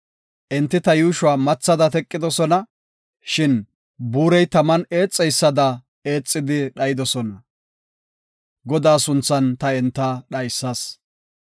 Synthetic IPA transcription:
ʔɛnt̪ːɪt̪ɐjuːʃʊaːmɐt͡sːɐd̪ɐt̪ɛkʼːɪd̪ɔsɔnɐ | ʃɪn | buːɾɛjt̪ɐmɐne̞ːt͡sʼːɛjsːɐd̪ɐ | e̞ːt͡sʼːɪd̪ɪɗɐjɪd̪ɔsɔnɐ | ɡɔd̪aːsʊnt͡sːɐnt̪ɐɛnt̪ːɐɗɐjsːɐs

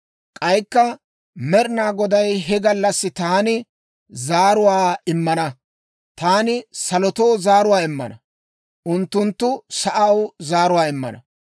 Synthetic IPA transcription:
kʼɐjkːɐ | mɛɾɪnaːɡɔd̪ɐjɦɛɡɐlːɐsːɪt̪aːnɪ | zaːɾʊwaːɪmːɐnɐ | t̪aːnɪsɐlɔt̪oːzaːɾʊwaːɪmːɐ̰nɐ | ʔʊnt̪ːʊnt̪ːʊsɐʔɐwzaːɾʊwaːɪmːɐ̰nɐ̰

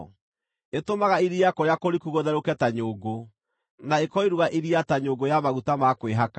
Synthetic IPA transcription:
etomaɣaiɾiakɔɾjakoɾikuɣoðɛɾokɛtaɲoːɡo | naekɔiɾuɣaʔiɾiataɲoɡojamaɣutamakweɦaka

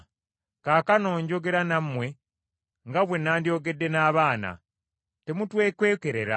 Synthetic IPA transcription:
kaːkano̞ːɲɟo̞ɡe̞ɾanamːwe̞ | ŋɡaβwe̞naːndjo̞ːɡe̞dːe̞naːβaːna̰ | te̞mutwe̞ːkwe̞ːke̞ɾe̞ɾa̰

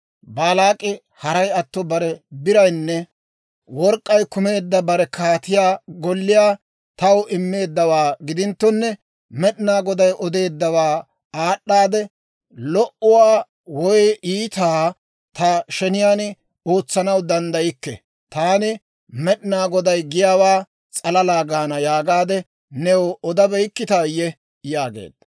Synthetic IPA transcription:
baːlaːkʼːɪ | hɐɾɐjɐt̪ːɔbɐɾɛbɪɾɐjnːɛ | wɔɾkʼːɐjkʊme̞ːd̪ːɐbɐɾɛkaːt̪ɪjaːɡɔlːɪjaː | t̪ɐwɪmːe̞ːd̪ːɐwaːɡɪd̪ɪnt̪ːɔnːɛ | mɛɗɪnaːɡɔd̪ɐjʔɔd̪e̞ːd̪ːɐwaː | aːɗːaːd̪ɛ | lɔʔʊwaː | wɔjiːt̪aː | t̪ɐʃɛnɪjaːn | o̞ːt͡sːɐnɐwd̪ɐnd̪ɐjɪkːɛ̰ | t̪aːnɪ | mɛɗɪnaːɡɔd̪ɐjɡɪjaːwaː | t͡sʼɐlɐlaːɡaːnɐjaːɡaːd̪ɛ | nɛwɔɔd̪ɐbɛjkːɪt̪aːjːɛ | jaːɡḛːd̪ɐ

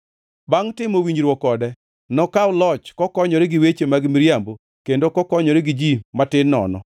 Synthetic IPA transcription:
baŋtɪmowiɲd͡ʒɾwɔkɔdɛ | nɔkaʊlɔt͡ʃkɔkɔɲɔɾɛɡiwet͡ʃemaɡmiɾjambo | kendokɔkɔɲɔɾeɡɪd͡ʒimatɪnːɔ̰nɔ̰

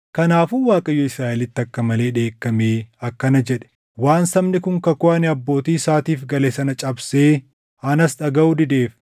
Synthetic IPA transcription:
kɐnaːfuːwaːkʼɐjːɔɪsɾaːʔɛlɪt̪ːɐkːɐmɐle̞ːᶑe̞ːkːɐmeːɐkːɐnɐd͡ʒɛᶑɛ̥ | waːnsɐmnɪkʊŋkɐkʊʔɐnɪɐbːo̞ːt̪iːsaːt̪iːfɡɐleːsɐnɐt͡ʃʼɐbse̞ː | ɐnɐsᶑɐɡɐʔud̪ɪd̪e̞ːf

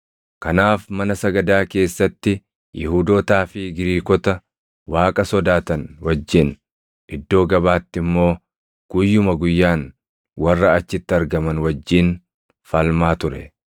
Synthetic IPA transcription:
kɐnaːfmɐnɐsɐɡɐd̪aːke̞ːsːɐt̪ːɪ | jɪhuːd̪oːt̪aːfɪɡɪɾiːkɔt̪ɐ | waːkʼɐsɔd̪aːt̪ɐnwɐd͡ʒːɪn | ʔɪd̪ːo̞ːɡɐbaːt̪ːɪmːo̞ː | ɡ̥ʊjːʊmɐɡʊjːaːn | wɐrːɐɐt͡ʃːɪt̪ːɪɐɾɡɐmɐnwɐd͡ʒːiːn | fɐlmaːt̪ʊɾɛ

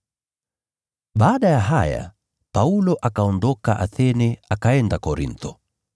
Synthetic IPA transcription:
ɓaːɗajaɦaja̰ | paulɔʔakaɔndɔkaʔa̰θɛnɛakaɛndakɔɾḭnt̪ɔ

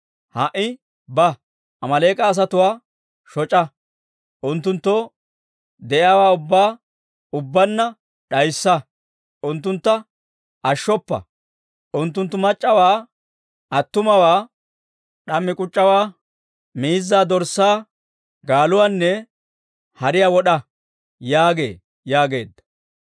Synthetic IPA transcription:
hɐʔɪ | bɐ | ʔɐmɐleːkʼɐːs̬ɐt̪ʊwaː | ʃɔt͡ʃʼɐ | ʔʊnt̪ːʊnt̪ːɔ | d̪ɛʔjaːwaːʊbːaː | ʊbːɐnːɐ | ɗɐjsːɐ | ʔʊnt̪ːʊnt̪ːɐ | ʔɐʃːɔpːɐ̰ | ʔʊnt̪ːʊnt̪ːʊmɐt͡ʃʼːɐwaː | ɐt̪ːʊmɐwaː | ɗɐmːɪkʼʊt͡ʃʼːɐwaː | miːzːaːd̪ɔɾsːaː | ɡaːlʊwaːnːɛ | hɐɾɪjawɔɗɐ | jaːɡe̞̰ː | jaːɡe̞ːd̪ːɐ̥

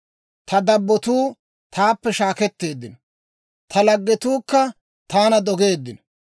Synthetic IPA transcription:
t̪ɐd̪ɐbːɔt̪uː | t̪ʰaːpːɛʃaːkɛt̪ːe̞ːd̪ːɪnɔ | t̪ʰɐlɐɡːɛt̪uːkːɐ | t̪aːnɐd̪ɔɡe̞ːd̪ːɪnɔ

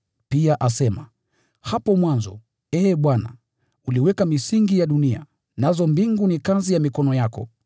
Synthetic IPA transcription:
piaʔasɛma | hapɔmwanzɔ̰ | ɛːɓwana̰ | uliwɛkamisiŋɡijaɗunia̰ | nazɔmbiŋɡunikazijamikɔnɔjakɔ̰

